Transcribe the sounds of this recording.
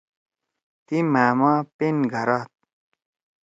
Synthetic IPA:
t̪imaːmãːpenɡʱɐɾaːt̪̚

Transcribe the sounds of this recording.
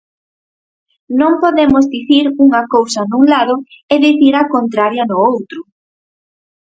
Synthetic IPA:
nõmpoðemʊzðiθiɾuŋɐkowsɐnuŋlaðʊeðiθiɾakont̪ɾaɾjɐnʊowt̪ɾʊ

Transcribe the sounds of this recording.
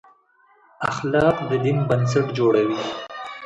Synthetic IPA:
a̰xlɑːqd̪əd̪inbɐns̬aʈd͡ʒoːɽawi

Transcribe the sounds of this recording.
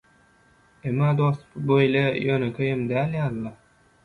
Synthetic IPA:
emːɑːd̪ospbøjlʲejønekʲʰøjemd̪æːlʲjɑːlˠːɑ

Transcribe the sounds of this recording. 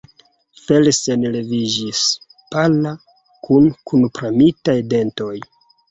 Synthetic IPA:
felsenle̞vid͡ʒis | pala | kunkunpɾamitajde̞nto̞j

